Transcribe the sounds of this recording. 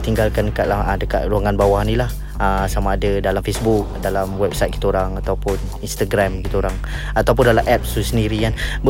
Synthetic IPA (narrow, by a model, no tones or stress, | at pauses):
t̪iŋɡalkandəkaʔ̪lahədəkat̪̚ɾuaŋanbawahnilah | əsamaːdadalamfesbuk̚dalamwɛp̚sajt̪̚kit̪əoɾaŋat̪awpʊn | inst̪aɡɾamkit̪aoɾaŋ | at̪awpʊndalamʔɛp̚susəndiɾianb